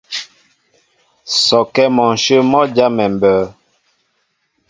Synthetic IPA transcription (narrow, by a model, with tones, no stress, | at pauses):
sɔ˨kɛ˦mɔ˨nʃə˦mɔ˦d͡ʒa˦mɛ˨mbəː˨˦